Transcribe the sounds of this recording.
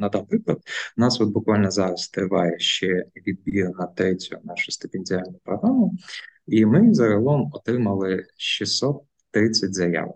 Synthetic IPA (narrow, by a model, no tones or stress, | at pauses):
nɐd̪ɑnpɾɪklˠɐd̪nɑsʋɔd̪̚bʊkʋɑlʲnɔzɑɾɐst̪ɾɪʋɑjɛʃt͡ʃɛʋʲid̪̚bʲiɾnɐt̪ɾɪt͡sʲʊnɑʃʊ̥st̪ɪpʲɪnʲd͡zʲɪalʲnʊjpɾɔɦɾamʊimɪzɐɦɐlˠɔmɔt̪ɾɪmɐlˠɪʃisɔt̪ː | ɾɪt͡sʲːɐtʲzɐja̰ʋ̰